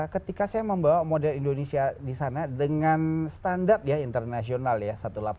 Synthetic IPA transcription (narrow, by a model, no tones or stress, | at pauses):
kət̪ikasajaməmbawamodɛlindonesiadisanadəŋanst̪andart̪̚jaint̪ərnasionaljasat̪ulap